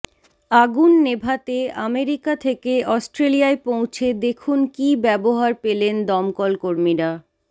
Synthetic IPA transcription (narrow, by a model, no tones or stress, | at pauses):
aɡunːebʱat̪eameɾikat̪ʰekeɔsʈɾelijaepõw̃t͡ɕʰed̪ekʰunkibɛboɦaɾpelend̪ɔmkɔlkoɾmiɾa